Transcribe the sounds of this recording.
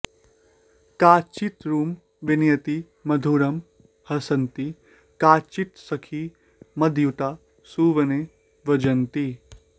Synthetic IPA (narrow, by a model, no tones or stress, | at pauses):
kaːt͡ʃit̪ɾuːm | ʋɪnjɐt̪i | mɐd̪ʱuːɾɐm | hɐsɐnt̪i | kaːt͡ʃit̪sɐkʰi | mɐd̪ʱjut̪aː | suːʋɐne | ʋɐd͡ʒɐnt̪i